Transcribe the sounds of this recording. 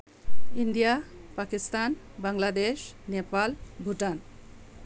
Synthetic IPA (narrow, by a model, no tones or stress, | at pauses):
indijapakist̪an | baŋlad̪eʃnepalbʱuʈan